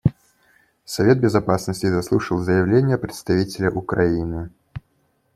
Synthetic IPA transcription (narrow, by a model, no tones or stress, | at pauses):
sɐvʲed̪̚bʲɪzapasnəsʲtʲɪzɐslˠuʂəlˠzəjɪvlʲenʲːɪjəpɾʲɪt̪st̪ɐvʲitʲɪlʲəʔʊkɾainɨ